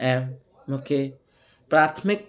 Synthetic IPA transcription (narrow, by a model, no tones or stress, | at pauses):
ɛ̃ | okʰe | pɾat̪ʰmɪk̚